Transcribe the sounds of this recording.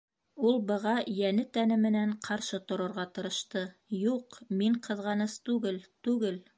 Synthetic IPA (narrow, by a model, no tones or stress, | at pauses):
ulˠbɤ̆ʁɑjænɘt̪ænɘmɘ̆næɴqʰɑɾʃɤt̪ŏɾɤ̆ɾʁɑt̪ɤ̆ɾɤ̆ʃt̪ɤjuqmiɴqʰɤ̆ðʁɑnɤst̪ʉɡɘlt̪ʉɡɘl